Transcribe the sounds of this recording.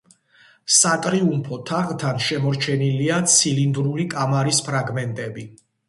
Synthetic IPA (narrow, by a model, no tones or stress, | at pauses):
sat̪ʼɾiumpʰɔt̪ʰaʁt̪ʰanʃɛmɔɾt͡ʃʰɛniliat̪sʰilind̪ɾulikʼamaɾispʰɾaɡmɛnt̪ʼɛbi